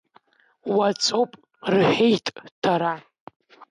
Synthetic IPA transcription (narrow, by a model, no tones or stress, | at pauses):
wat͡sʼowpʼ | rħejtʼtʰaɾa